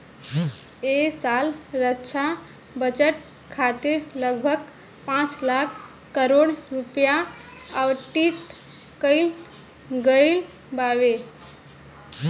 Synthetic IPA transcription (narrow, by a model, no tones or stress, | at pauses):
esalɾətːt͡ʃʰa | bət͡ʃəʈ | kʰat̪iɾləɡbʱəɡ | pãt͡ʃlakʰː | əɾoɽɾupjaəwʈit̪kəɪl | ɡəɪl | baʋe